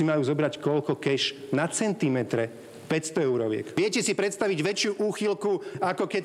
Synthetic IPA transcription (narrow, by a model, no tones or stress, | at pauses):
imajuːzɔbɾackɔʎkɔkɛʒnat͡sɛnt̪imɛt̪ɾɛ | pɛcst̪ɔɛʊɾɔʋɪɛ̰kʋɪɛcɛsipɾɛt̪st̪aʋiɟʋɛt͡ʃɪuʔuːxilkuakɔkɛ